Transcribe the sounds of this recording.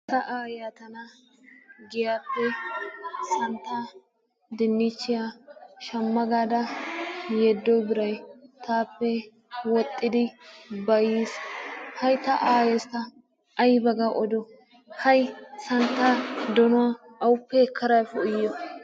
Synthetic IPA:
t̪ɐʔaːjaːt̪ɐnɐ | ɡɪjaːpːɛ | sɐnt̪ːa | d̪ɪnːɪt͡ʃːɪjaʃɐmːɐɡaːd̪ɐ | jɛd̪ːɔjbɪɾɐjt̪aːpːɛ | wɔt̪ʼːɪd̪ɪbɐjishɐjt̪ɐʔaːjɛst̪ɐ | ʔɐjbɐɡɐʔɔd̪ɔ | hɐjsɐnt̪ːaːd̪ɔnʊa | ʔɐwʊpːɛkʰːɐɾɐjfɔʊjːɔ

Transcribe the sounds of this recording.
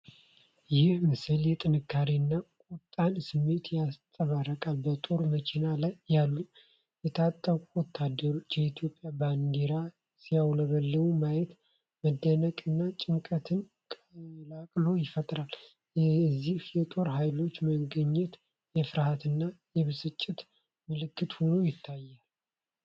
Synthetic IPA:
jɪhmɨsɨljɛt̪ʼɨnɨkʰːaɾiɨnːakʼut̪ʼːansɨmːe̞t̪jast̪ʼəβarəkʼalbət̪ʼo̞ɾmət͡ʃʰenalajːalːu | jɛt̪ʰat̪ʼːəkʼuwɔt̪ʰːad̪ːəɾo̞t͡ʃːjɛit̪ʰjo̞pʼjaband̪eɾa | sijawləβəlːəmumajɛt̪ | məd̪ːənəkʼɨnːat͡ʃʼɪŋkʼət̪ʰɨn | kʼlakʼlo̞jɪfət̪ʼɾal | zːihjɛt̪ʼo̞ɾhajlo̞t͡ʃːməɡəɲːɛt̪ | jɛfɨɾhat̪ɨnːajɛβɨsɨt͡ʃʼːɪt̪ | mɨlɨkːɨt̪ho̞no̞jɪt̪ʰːajːal

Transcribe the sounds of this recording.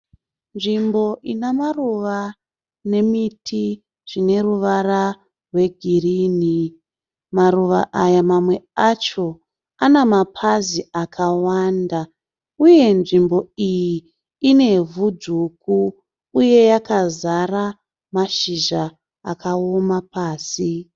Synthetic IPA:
nʐimbo̞ʔinamaruʋa | ne̞mitʰi | ʐ̥ine̞ruʋara | rwe̞ɡʱiriːni | maruʋa̰ʔajamamwe̞at͡ʃo̞ | anamapʰaziakʰawaːnda | uje̞nʐimbo̞ijiː | ne̞vud͡zuku | uje̞jakazara | maʃiʒa | a̰kaomapaːsi

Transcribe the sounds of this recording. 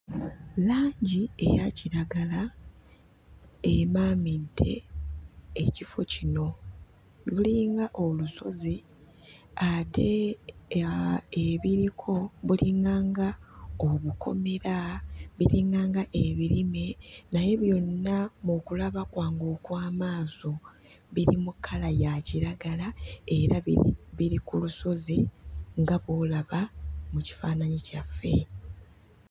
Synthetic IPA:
laːɲɟie̞̰jaciɾaɡala | emaːmintʰe̞̰ː | cifo̞cino̞ | luliːŋɡaʔo̞luso̞̰zi | atʰe̞ | eβiɾikʰo̞βuliŋɡaːŋɡaoβukʰo̞̰me̞ɾaβiɾiŋɡaːŋɡaʔeβiɾime̞naje̞βjo̞nːamukulaβakwaːŋɡoːkwaːmaːso̞ | βiɾimukʰːalajaciɾaɡalae̞ɾaβiɾikuluso̞zeŋɡaβoːlaβamuci̥faːnaɲicafːe̞̰

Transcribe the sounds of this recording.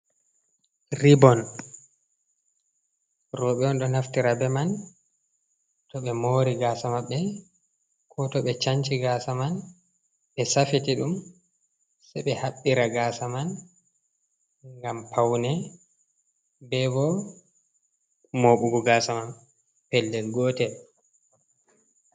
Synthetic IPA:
ɾibɔn | rɔɓɛɔnɗɔnhaftiɾabɛman | tɔɓɛmoɾiɡaːsamaɓːɛ | kʰɔtɔɓɛt͡ʃaɲt͡ʃiɡaːsaman | ɓɛsafitiɗum | sɛɓɛhaɓːiɾaɡaːsaman | ŋŋɡampʰawnɛ | bɛbɔ | moːɓuɡuɡaːsaman | pɛlːɛlɡɔtɛ

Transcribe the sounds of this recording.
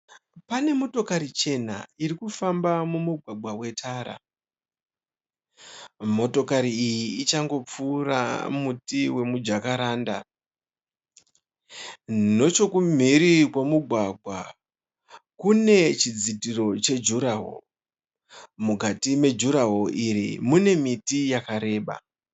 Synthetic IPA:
pane̞mo̞to̞kaɾit͡ʃe̞na̰irikufambamumuɡʱwaɡʱwawe̞tʰaːɾa̰ | mo̞to̞kaɾiijiːt͡ʃaŋɡo̞p͡fuːra̰mutiwe̞mud͡ʒakaɾaːnda̰ | no̞t͡ʃo̞kum̤iɾikwamuɡʱwaɡʱwa | kune̞t͡ʃid͡zitiro̞t͡ʃe̞d͡ʒuɾaɦo̰ | mukatime̞d͡ʒuɾaɦoʔiɾḭmune̞mitijakaɾe̞ːɓa̰

